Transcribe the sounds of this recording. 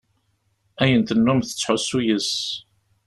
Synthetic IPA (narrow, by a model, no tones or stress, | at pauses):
æjənt̪ənːumθə̥t͡sːħʊsːujəs